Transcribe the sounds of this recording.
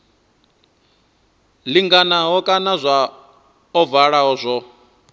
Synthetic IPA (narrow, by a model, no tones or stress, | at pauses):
liŋɡanaɦɔkʼanazʷa | ɔvaɺaɦɔzʷɔ